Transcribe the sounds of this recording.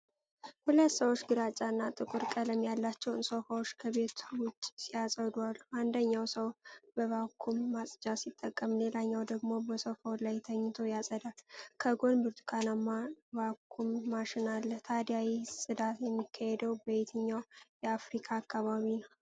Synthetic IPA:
hulət̪səwot͡ʃːɡɨɾat͡ʃʼanːat̪ʼɨkʼɨɾkʼələmjalːat͡ʃːɛwɨnsofawot͡ʃːkʰəβe̞t̪wʊt͡ʃʼːsijasʼəd̪waland̪əɲːawsəwbəβakʰːumːasʼd͡ʒasit̪ʼːəkʼːəmle̞laɲːawd̪əɡmo̞bəsofawlajt̪ʰəɲːɪt̪ʰo̞jasʼəd̪alkʰəɡo̞nbɨɾt̪ʰukʰanamːaβakʰːumːaʃɪnalːəht̪ʰad̪jawisʼɨd̪at̪jɛmːikʰːahɛd̪əwbəjɛt̪ʰɨɲːawjɛafɾikʰaːkːaβaβinəw

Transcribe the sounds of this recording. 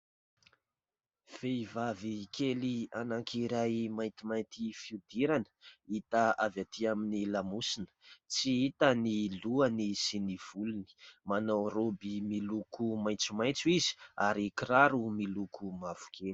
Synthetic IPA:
v̥eivavikʰelianaŋkʰiɾajmajnt̪imajnt̪ifiud̪iɾanə̥it̪aavat̪iaminilamusinə̥t͡siit̪əniluanisiniv̥uluni̥manawɾobimilukʰumaj̃nt͡sumajt͡suizi̥aɾikiɾaɾumilukumav̥u̥kʰel

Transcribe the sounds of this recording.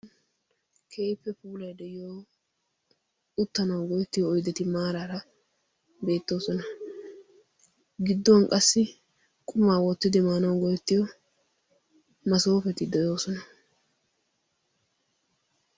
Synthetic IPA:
kʰeːjpːɛpuːlɐjd̪ɛjɪjoː | ʊt̪ːɐnɐwɡɔjɛt̪ːɪjɔːjd̪ɛt̪ɪmaːɾaɾɐ | be̞ːt̪ːo̞ːsɔnɐ | ɡɪd̪ːɔwɐnkʼɐsːɪ | kʼʊmaːwɔt̪ːɪd̪ɪmaːnɐwɡɔjɛt̪ːɪjɔ | mɐso̞ːfɛt̪ɪd̪ɛjo̞ːsɔnɐ

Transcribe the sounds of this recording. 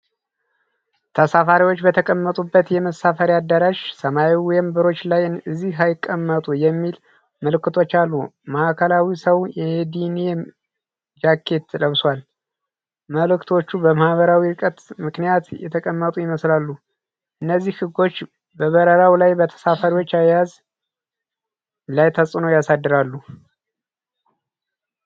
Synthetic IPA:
t̪ʰəsafaɾiwo̞t͡ʃːbət̪ʰəkʼəmːət̪ʼubːət̪jɛməsafəɾad̪ːəɾaʃsəmaiwɔjɛmbɨɾo̞t͡ʃːlajɨzːiajɪkʼːəmːət̪ʼujɛmːil | məlɨkːɨt̪ʰo̞t͡ʃːalːumaʔakʰəlawisəwjɛd̪ine | d͡ʒakʰːe̞t̪ʰːləβswal | məlɨkt̪ʰo̞t͡ʃːubəmahβəɾawiɾɨkʼət̪mɨknijat̪jɛ̰t̪ʰəkʼəmːət̪ʼujɪməslalːu | ʔɨnːəzːihhɨɡːo̞t͡ʃː | bəβəɾəɾawlajbət̪ʰə̥safəɾiwo̞t͡ʃːajjaz | lajt̪ʰəsʼɨnojasad̪ːɨɾalːu

